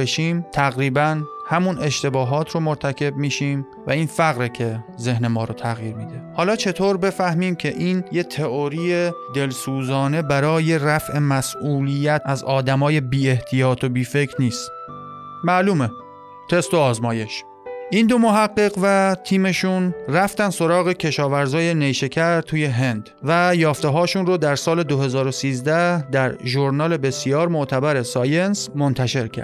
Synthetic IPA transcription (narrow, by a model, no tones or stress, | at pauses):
eʃiːmt̪ʰæɣɾiːbænhæmunʔe̞ʃt̪e̞bɒːɦɒːt̪ʰɾomoɾt̪ʰæcʰe̞bmiːʃiːm | væ̰iːnfæɣɾecʰe̞ze̞hne̞mɒːɾot̪ʰæɣjiːɾmiːd̪e̞hɒːlɒːt͡ʃʰe̞t̪ʰoːɾbe̞fæhmiːmcʰe̞ʔiːnjet̪ʰeʔoɾijed̪e̞lsuːzɒːne̞bæɾɒːje̞ræfʔe̞mæsʔuːlijæt̪æzɒːd̪æmɒːje̞biːe̞ht̪ʰijɒːt̪ʰobiːfe̞kʰɾniːst̪ | mæʔluːme | t̪ʰe̞st̪o̞ɒːzmɒːje̞ʃ | ʔind̪o̞mo̞ɦæɢːeɣvæt̪ʰiːme̞ʃunræft̪ænd̪so̞ɾɒːɣe̞cʰe̞ʃɒːvæɾzɒːje̞nejʃe̞cʰæɾt̪ʰuːje̞ɦe̞nd̪̥ | væjɒːft̪e̞ɦɒːʃunrod̪æɾsɒːle̞d̪oɦe̞zɒːɾo̞siːzd̪æhd̪æɾʒoɾnɒːle̞be̞sijɒːɾmoʔt̪ʰæbæɾe̞sɒːje̞nsmo̞nt̪ʰæʃe̞ɾcʰæ̰ɾdd̪